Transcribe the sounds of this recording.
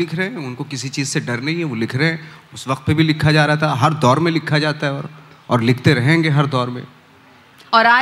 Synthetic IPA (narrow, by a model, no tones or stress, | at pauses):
ɪkʰɾɐɦɛ̃ʊnkokɪsit͡ʃiːzseɖɐɾnɐɦĩɦɛʋolɪkʰɾɐɦɛ̃ːʊsʋɐq̚t̪̚pebʱilɪkʰːad͡ʒaːɾaat̪aɦɐɾd̪ɔːɾmẽlɪkʰːad͡ʒaːt̪aɦɛɔːɾ | ɔːɾlɪkʰt̪eɾɐɦẽːŋɡeɦɐɾd̪ɔːɾmḛ̃ː | ɔːɾaː